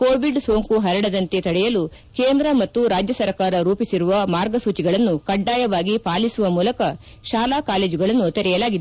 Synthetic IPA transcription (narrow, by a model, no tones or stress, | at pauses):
koːʋiɖso̞ːŋkuɦɐɾɐɽɐd̪ɐnt̪et̪ɐɽɛjɐlu | keːnd̪ɾɐmɐt̪ːuɾaːd͡ʒjɐsɐɾkaːɾɐɾuːpisiɾuʋɐmaːɾɡɐsuːt͡ʃiɡɐɭɐnːukɐɖːaːjɐʋaːɡipaːlisuʋɐmuːlɐkɐ | ʃaːlaːkaːleːd͡ʒuɡɐɭɐnːut̪ɛɾɛjɐlaːɡid̪e